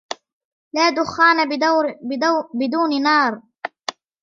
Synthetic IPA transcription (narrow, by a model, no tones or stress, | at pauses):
laːd̪ʊxːaːna | bɪd̪uːnɪnɑːɾˤ